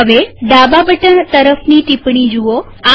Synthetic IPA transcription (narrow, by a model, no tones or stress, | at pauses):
əʋeɖababəʈənt̪əɾəfniʈipɽ̃id͡ʒuo | a